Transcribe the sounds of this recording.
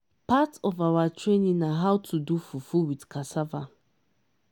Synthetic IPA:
patɔvawatʰɹenĩnaɦaʊtʰudufufuwidkʰasava

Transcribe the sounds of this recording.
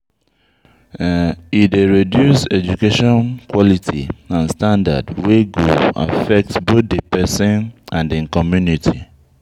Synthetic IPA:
ideɹedjusɛd͡ʒukeʃɔ̃nkwɔlitʰiãnstãnda̰dweɡoa̰fɛk̚tsbot̚depɛsĩnãndiĩŋkɔmjunitʰi

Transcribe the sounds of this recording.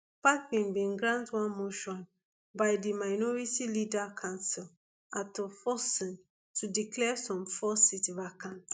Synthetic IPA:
pak̚bĩnbĩnɡɹãntwãnmoʃɔ̃n | bajdimaɪnɔɹitilidakʰãnsil | atɔfɔsĩn | tʰudiklɛsɔ̃mfɔsitɹakãn

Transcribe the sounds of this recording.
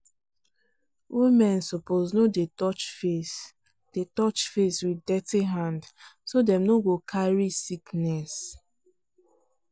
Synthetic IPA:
wʔimɛ̃nsɔpoznodetɔt͡ʃfes | d̥etɔt͡ʃfeswiddɛtiɦãndsodɛ̃mnoɡokʰaɹisiknɛs

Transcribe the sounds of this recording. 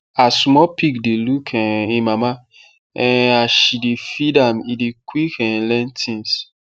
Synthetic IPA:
asmɔpʰikdelukʰɛ̃ĩmama | ɛ̃aʃidefidamidekwikɛ̃nlɛ̃ntʰĩns

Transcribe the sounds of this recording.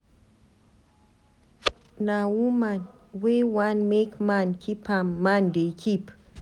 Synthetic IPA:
nawuman | wewãnmekmãnkʰipʰãmːãndekʰip

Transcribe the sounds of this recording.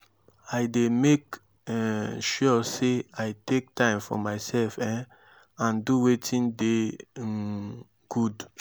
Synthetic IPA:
aɪdemek | ɛʃɔseaɪtek̚tʰãɪ̃mfɔ̰maɪsɛlfɛ̃ | ãnduwetʰĩnde | ɡ̥ud

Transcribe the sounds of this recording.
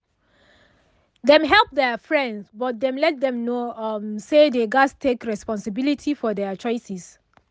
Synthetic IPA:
ðɛ̃mɦɛlˠp̚ðɛfɹɛ̃ndsbɔt̚dɛ̃mlɛt̚dɛ̃mnomsedeɡastʰekɹɛspɔ̃nsɪbilitʰifɔdɛt͡ʃɔɪsis

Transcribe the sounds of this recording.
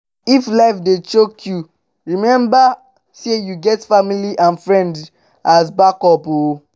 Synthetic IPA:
iflaɪfdet͡ʃokʰju | ɹimɛ̃mba | sejuɡɛtfamiliʔãnfɹɛ̃nd | asbakɔpo

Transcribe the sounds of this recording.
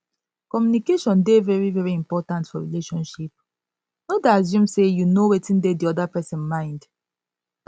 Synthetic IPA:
kɔmjunikeʃɔ̃ndevɛɹivɛɹiĩmpɔtãntfɔɹḭleʃɔ̃nʃip̚ | nɔdazũmsejunowetĩndediɔdapɛsɛ̃nmãɪ̃nd

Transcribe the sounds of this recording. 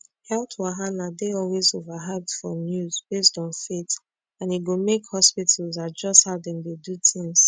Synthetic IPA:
hɛltwaɦanadeɔlwezovaɦɛdfɔnjuzbestɔ̃nfet | ãniɡomekhɔspitʰəl̩zad͡ʒʌsthadɛ̃ŋdedutʰɪ̃ŋz̥

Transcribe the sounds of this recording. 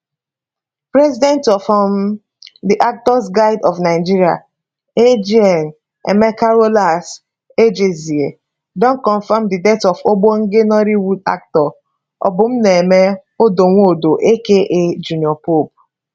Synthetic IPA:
pɾɛzidɛ̃ntɔfɔm | diʔak̚tɔs̬ɡaɪdɔfnaɪd͡ʒiɾia̰ | ed͡ʒiɛn | ḛmekaɾolas | ed͡ʒezie | dɔ̃n̩kɔ̃nfamdidɛtɔfoɡ͡boŋ̩ɡenɔɾiwuda̰k̚tɔ | ɔ̰bʊm̩neemeodoŋʷodoʔekeʔed͡ʒuniɔpob̚

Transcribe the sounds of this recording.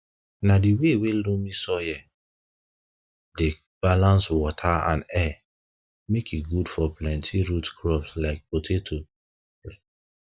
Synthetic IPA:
nadiwewelũmĩsɔjɛ | de | b̥alãnswɔtʰaã̰nɛ | mekiɡudfɔplɛ̃ntʰĩɹutkʰɹɔpslaɪk̚potʰetʰo

